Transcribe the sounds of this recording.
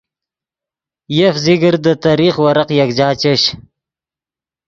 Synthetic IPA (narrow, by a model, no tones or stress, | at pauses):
jefzɪɡəɾd̪ət̪aɾiχwaɾaqjakd͡ʒɑːt͡ɕeɕ